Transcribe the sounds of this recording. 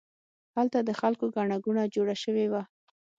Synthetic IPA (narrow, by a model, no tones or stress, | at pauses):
halt̪ad̪əxalkoɡaɳaɡunad͡ʒoɽaʃəwewa